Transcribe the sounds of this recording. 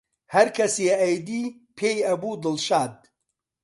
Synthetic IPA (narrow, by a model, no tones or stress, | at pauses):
hɐɾkʰɐseːjd̪iː | pʰeːjɐbuːd̪ɨlʃaːd̪̚